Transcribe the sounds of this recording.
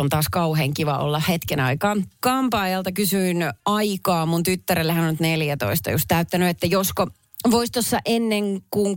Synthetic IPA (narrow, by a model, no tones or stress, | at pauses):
ont̪ɑːskɑuheːŋkiʋɑʔo̰lːɑhhet̪kenɑ̰ikɑːnkɑmpɑːjɑlt̪ɑkysyinɑikɑːmunt̪yt̪ːæɾelːæhænonyt̪neljæt̪o̰ist̪ɑ̰just̪æyt̪ːænyet̪ːæjosko | ʋoist̪osːɑʔenːeŋkuŋ